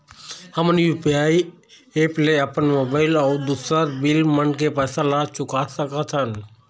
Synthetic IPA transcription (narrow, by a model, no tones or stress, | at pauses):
həmənjupiaːi | eːpleəpənmobaːɪlɔːɾd̪uːsɾəɾbɪlmənkepɛːsãlat͡ʃʊkasəkat̪ʰən